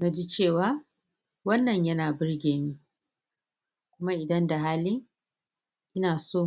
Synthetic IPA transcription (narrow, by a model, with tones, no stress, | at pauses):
na˦d͡ʒi˦t͡ʃeː˦˨waː˦ | wɐ˦nːɐ˨ɲjɐ˦naː˨bɪ˦rɡʲeː˨miː˦ | kʷʊ˦ma˦ʔɪ˨dɐ˦nda˨ɦaː˦lɪ˦ŋ | ʔɪ˦naː˨soː˦˨